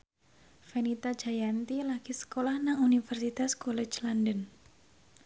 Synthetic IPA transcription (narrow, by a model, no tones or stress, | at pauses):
fenit̪ḁd͡ʒajant̪ilaɡ̥isə̥kolahnaŋunifərsit̪askɔlɛ̥t͡ʃlandən